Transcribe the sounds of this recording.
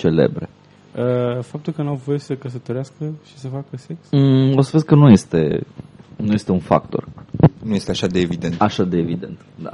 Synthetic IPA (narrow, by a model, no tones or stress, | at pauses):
t͡ʃe̞lḛbɾḛ | əfap̚t̪ulkənamvo̞jesəkəs̬ət̪oɾɪaskəʃi̥səfakəseksəosəveskənuje̞st̪e̞̰ | nuje̞st̪eunfa̰kt̪o̞̰rnuje̞st̪eaʃad̪eːvid̪ent̪aʃad̪eːvid̪e̞nt̪d̪a̰